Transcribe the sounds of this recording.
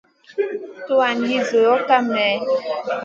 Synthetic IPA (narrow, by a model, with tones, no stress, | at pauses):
to˦a˨nji˦zo˨jɔ˦ka˦mɛ˨˦